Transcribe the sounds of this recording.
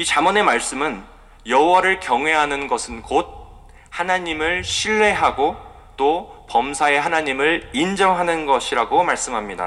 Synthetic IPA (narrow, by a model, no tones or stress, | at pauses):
it͡ɕamʌne̞maɭs͈ɯmɯn | jʌɦwʌɾɯɭkjʌŋɦwe̞ɦanɯnɡʌsʰɯnkod̚ | hanaɲimɯɭɕʰiɭːe̞ɦaɡo | t͈opʌmsʰae̞ɦanaɲimɯɭind͡ʑʌŋɦanɯnɡʌɕʰiɾaɡomaɭs͈ɯmɦamɲida̰